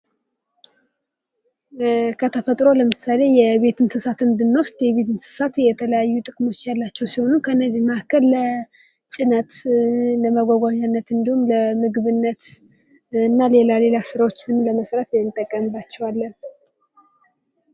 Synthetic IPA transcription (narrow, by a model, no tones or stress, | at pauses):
kʰət̪ʰəfət̪ʼɾo̞ləmɨsale̞jɛβe̞t̪ʰɨnsɨsat̪ɨnd̪ɨnːost̪jɛβe̞t̪ʰɨnsɨ̥sat̪jɛt̪ʰələjajːut̪ʼɨkʼmo̞t͡ʃːjalːat͡ʃːɛwsiho̞nukʰəɨnːəzːihməʔakːəlːə | t͡ʃʼɪnət̪ləməɡʷaɡʷaɲːanːət̪ɨnd̪ihumləmɨɡβɨnːət̪ | ɨnːalelale̞lasɨɾawo̞t͡ʃːɪnɨmləməsɾət̪jɛnt̪ʼːəkʼːəmɨbat͡ʃːɛwalːən